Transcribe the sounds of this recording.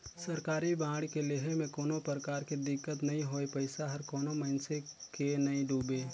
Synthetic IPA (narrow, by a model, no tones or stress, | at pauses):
səɾkaːɾibãːɽkeleɦemẽkoːnopɾəɾəkaːɾkid̪ɪkːət̪nɐɦĩɦoːepəɪsaɦɐɾkɔːnomənsekenɐĩɖuːbeː